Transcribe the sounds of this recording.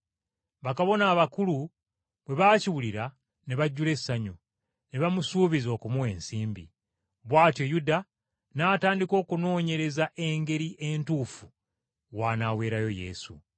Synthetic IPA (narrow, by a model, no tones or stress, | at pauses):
βakaβo̞naːβakulu | βwe̞βaːciwuliɾa | ne̞βaɟːule̞sːaɲu | ne̞βamusuːβizo̞ːkumuwe̞ːnsiːmbḭ | βwaːtjo̞juda | nataːndiko̞ːkuno̞ːɲe̞ɾe̞zaʔe̞ŋɡe̞ɾiʔe̞ntuːfu | waːnawe̞ːɾajo̞je̞̰ːsṵ